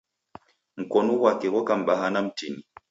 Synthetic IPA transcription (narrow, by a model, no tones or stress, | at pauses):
m̩kɔnɔwakɛɣɔkam̩ɓaɦanam̩tini